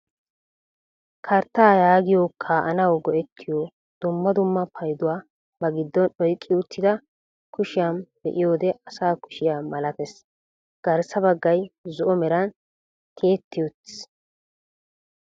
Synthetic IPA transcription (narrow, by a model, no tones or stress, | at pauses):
kʰɐɾt̪ːaːjaːɡɪjokʰːaːʔɐnɐwɡɔʔɛt̪ʰːɪjo | d̪̥ʊmːɐd̪ʊmːɐpʰɐjd̪ʊwaː | bɐɡɪd̪ːɔnɔjkʼːɪʊt̪ʰːɪd̪ɐ | kʰʊʃɪjamb̥ɛ̰ʔɪjoːd̪ɛɐsaːkʊ̥ʃɪjaːmɐlɐt̪ɛs | ɡ̥ɐɾsɐbɐɡːɐjzʊʔɔmɛɾɐn | t̪ʰeːt̪ːɪjɔt̪ːɪ̥s